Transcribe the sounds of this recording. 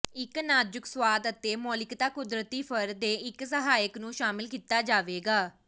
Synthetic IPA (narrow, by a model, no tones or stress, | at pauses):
ɪknaːd͡ʒʊkswaːd̪ət̪eːmoːlɪkt̪aːkʊd̪ɾət̪iːpʰəɾd̪eːɪksəɦaːjəknũːʃaːmɪlkiːt̪aːd͡ʒaːʋeːɡaː